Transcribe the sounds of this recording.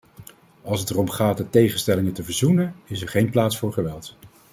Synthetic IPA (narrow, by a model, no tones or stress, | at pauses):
ɑlˠsətɛrɔmχaːt̚ətejχənstɛlɪŋətəvəɹzunənɪs̬ɛɹχejnplaːtsfʊːɹχəʋɛlˠt